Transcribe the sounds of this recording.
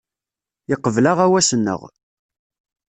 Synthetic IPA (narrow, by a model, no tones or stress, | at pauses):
jəqːəvlaʁæwæsənːə̰ʁ